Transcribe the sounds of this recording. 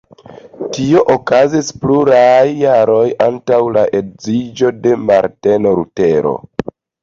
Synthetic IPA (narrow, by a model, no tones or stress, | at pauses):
tio̞ʔokazispluɾajːaɾo̞jantawlaʔe̞dzid͡ʒo̞de̞maɾte̞no̞ɾute̞ɾo̰